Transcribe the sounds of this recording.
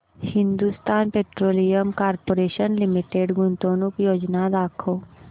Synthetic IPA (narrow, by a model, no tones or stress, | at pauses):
hɪ̃nd̪ust̪aːnpeːʈɾoːlijəmkaːɾpoːɾeːʃənlɪmiʈeɖɡʊnt̪oːnukjoːd͡ʒnad̪aːkʰoː